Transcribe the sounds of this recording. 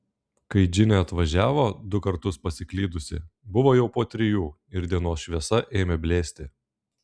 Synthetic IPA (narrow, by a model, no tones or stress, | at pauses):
kɐɪd͡ʒʲɪnʲeɐt̪ʋɐʒʲæːʋoːd̪ʊkɐɾt̪ʊspɐsʲɪklʲiːd̪ʊsʲɪ̰bʊʋoːjɛʊpoːt̪ʲɾʲɪjuː | ɪɾd̪ʲiɛnoːsʃʲʋʲiɛsɐʔeːmʲɛbʲlʲeːsʲt̪ʲɪ